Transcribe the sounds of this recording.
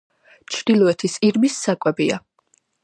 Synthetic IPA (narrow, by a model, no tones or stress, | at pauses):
t͡ʃʰd̪ilˠɔɛt̪ʰisiɾmisːakʼwɛbia